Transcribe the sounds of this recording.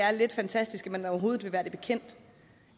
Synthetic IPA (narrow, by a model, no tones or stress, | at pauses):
æɐle̝d̥fænt͡sʰæsd̥isɡ̥æmænɒʊɐɦo̝ːð̞̩ˠʋe̝ʋæːɐd̥eb̥e̝kʰen̰d̥